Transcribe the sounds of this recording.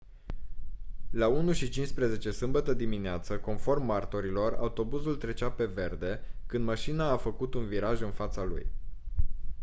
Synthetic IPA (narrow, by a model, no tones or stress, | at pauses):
launuʃit͡ʃinspɾeze̞t͡ʃe̞sɨmbət̪əd̪imineat̪səko̞nfo̞rmːart̪o̞ɾilo̞ra̰ut̪o̞buzult̪ɾe̞t͡ʃape̞ve̞rd̪e̞kɨnd̪maʃinaːfəkut̪unviɾaʒɨnfat̪salṵj